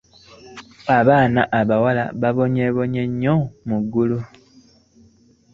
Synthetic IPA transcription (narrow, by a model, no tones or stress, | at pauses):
aβaːnaʔaβawala̰βaβo̞ɲeβo̞ɲeɲːomuɡːulu